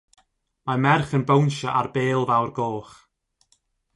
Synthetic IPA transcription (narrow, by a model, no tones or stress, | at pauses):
mamɛrχənbownʃaʔarbeːlˠvawrɡoːχ